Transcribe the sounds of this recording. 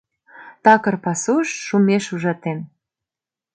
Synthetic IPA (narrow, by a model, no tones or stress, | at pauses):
t̪ɑkɤ̆rpɑsuʃːumeʃuʒɑt̪en